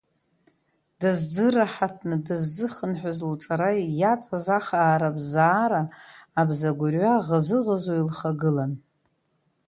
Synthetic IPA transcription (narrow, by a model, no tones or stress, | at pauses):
d̥azd͡zɨraħatʰnɨdɨzːɨχənħʷᶣazlʈ͡ʂʼaɾajat͡sʼazaχaːɾabzaːɾaːbzaɡʷʊrɥaʁazɨʁazoilχaɡɨlan